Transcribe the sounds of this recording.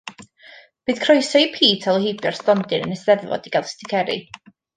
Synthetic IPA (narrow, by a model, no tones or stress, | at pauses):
b̥ɨːðkʰrɔjsɔipʰiːtʰalˠhibjɔr̥stɔndɨnənəsðɛðvɔ̰d̥iɡ̥alˠstʰɪkʰɛɾḭ